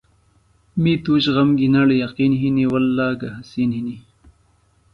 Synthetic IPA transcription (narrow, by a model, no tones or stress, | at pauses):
mit̪uːɕʁɐmɡinɐɽjɐqiːnɦiniwɐlːaːɡɐɦɐsiːnhini